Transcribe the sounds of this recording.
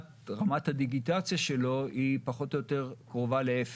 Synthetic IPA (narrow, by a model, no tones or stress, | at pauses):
t | ʁamathad̪iɡitat͡sjaʃe̞lo̞ipaχo̞t̪ojote̞ʁkʁovaleef